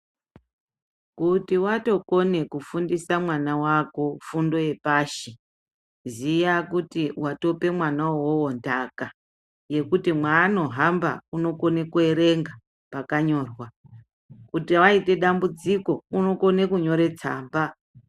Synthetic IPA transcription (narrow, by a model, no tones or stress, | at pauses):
kutiwato̞ko̞ne̞kufundisamwanawako̞fundo̞je̞paːʃi | zijakutiwato̞pe̞mwanawowontaka | je̞kutimwaːno̞ɦamba̰uno̞ko̞ne̞kue̞ɾe̞ŋɡa | pakaɲo̞ːrwa | kutiwaite̞ɗambud͡ziko̞uno̞ko̞ne̞kuɲo̞ɾe̞t͡sa̰ːmba